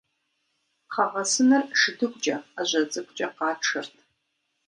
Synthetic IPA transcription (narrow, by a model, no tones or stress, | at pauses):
qʰɐʁɐsɨnɨrʂɨdɨkʷʼt͡ʃʼɐaʑʷɐt͡sʼɨkʷʼt͡ʃʼɐqɑːʈ͡ʂʰɨrtʰ